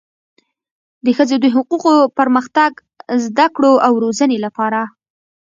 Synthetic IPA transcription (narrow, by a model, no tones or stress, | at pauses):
d̪əxəzed̪əɦʊquqopəɾməxt̪aɡ | zd̪akɽoawɾozənelapɑɾa